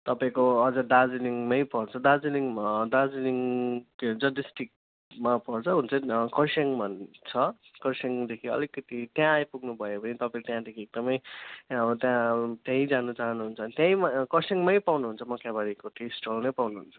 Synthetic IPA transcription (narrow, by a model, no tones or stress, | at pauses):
t̪ʌpãĩkoʌd͡zʌd̪ad͡ziniŋmʌjpʌɾt͡sʰʌd̪ad͡ziniŋd̪ad͡ziniŋ | d͡zʌdisʈik̚ | mapʌrt͡sʰʌɦunt͡sʰʌkʌrsiŋbʱʌnt͡sʰʌ | kʌrseŋd̪ekʰiʌ̰likːʌt̪it̪jãjpuɡnubʱʌebʌnit̪ʌpaĩkt̪jãd̪ekʰieɡ̚d̪ʌmʌjʌt̪jãt̪jãĩd͡zanʌt͡saɦʌnuɦunt͡sʰʌnt̪jãj̃makʌrseŋmajpawnuɦunt͡sʰʌmʌkjabaɽikoʈʰisʈolnʌjpawnuɦunt͡sʰʌ̥